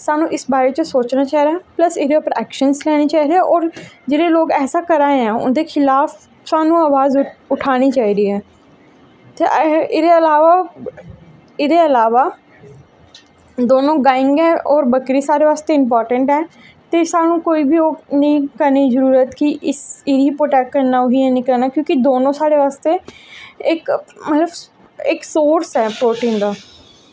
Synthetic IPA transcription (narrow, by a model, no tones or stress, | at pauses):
saːnũːʔɪsbaːɾeːt͡ʃəsoːt͡ʃnaːt͡ʃaːɦiɾaɛːpləsɪːd̪eʊpəɾɛːkʃənslɛːɽ̃iːt͡ʃaːiɾeaːʔɔːɾd͡ʒeːɽeːloːkɛːsaːkəɾãːeãːʊ̰nd̪eːkʰɪlaːf | saːnũːaːʋaːzʊʈʰaːɽ̃iːt͡ʃaːiːɾiːɦɛː | t̪eːʔɪd̪eːəlaːʋaː | ɪd̪eːəlaːʋaː | d̪oːnõːɡaːɪ̃ŋɡɛːʔɔːɾbəkɾiːsaːɾeːʋaːst̪eːɪmpɔːɾʈəɳʈɦɛː | t̪eːsaːnũːkoːiːbʱiːoːnəĩːkəɾniːzəɾuːɾət̪kɪʔɪsɪɾiːpoːʈɛːkːəɾnaːoɦiːɛːnĩːkəɾnaːkjõːkɪd̪oːnõːsaːɽeːʋaːst̪eːɪkmət̪ləb | ɪksoːɾsɛːpɾoːʈĩːnd̪aː